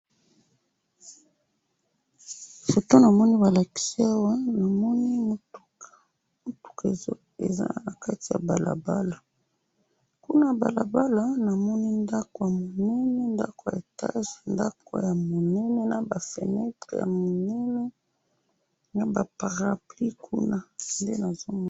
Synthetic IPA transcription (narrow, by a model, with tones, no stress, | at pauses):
fo˨to˦na˨mɔ˦ni˦ba˨la˨ki̥˦si˦a˦wa˦na˨mɔ˦ni˦mo˦tu̥˦kʰḁ˨ | mo˦tu̥˦ka˨e˨zo˦ | ḛ˨za̰˦na˨ka˦ti˨ja̰˨ba̰˨la̰˨ba˦la˨ | ku˦na˦ba̰˨la˨ba˦la˨na˨mɔ˦ni˦nda˦ko˨ja˨mo˨nɛ˦nɛ˦nda̰˦ko˨ja̰˨e˨ta̰˦ʒe˨nda̰˦ko̰˨˦ja˨mo˨nɛ˦nɛ˦na˨ba˨fḛ˨nɛ˦tʁḛ˨ja̰˨mo˨nɛ˦nɛ˦ | na˨ba˨pa˨ʁa˨pli˦kʰṵ˦na˦nde˦na˨zo˦